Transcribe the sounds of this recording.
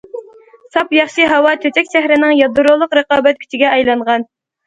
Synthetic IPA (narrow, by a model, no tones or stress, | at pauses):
sɑpjɑχʃɨɦɑwɑt̪ʰøt̪ɛkʲʃæɦɾɪnɪŋjɑd̪uɾolˠʊqɾɨqɑːbɛt̪̚kʲʰy̥t͡ʃ̪ʰɪɡʲɛʔɑjlˠɑɴʁɑn